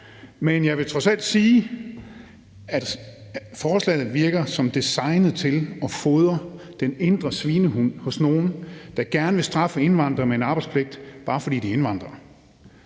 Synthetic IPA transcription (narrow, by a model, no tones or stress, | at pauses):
menjɑ̈ɪʋe̝t͡sʰʁɒ̽sæl̰d̥siː | æd̥fɒːslɛ̰ːɪð̞̩ˠʋiɐɡ̥ɐsɒ̽md̥isɑ̈ɪnð̩ˠt͡sʰe̝lɒ̽fɔːð̞ˠɐd̥ene̝nd̥ʁɐsʋiːnəɦunhɔ̽sno̝ːn̩d̥ɑ̈ɡ̥æɐnəʋe̝sd̥ʁɑ̈fəe̝nʋɑ̈n̰d̥ʁɐmeenɑ̈ːb̥ɑ̈ɪdspʰleɡ̥̚d̥b̥ɑ̈ːfɒ̽d̥ḭːd̥ie̝nʋɑ̈n̰d̥ʁɐ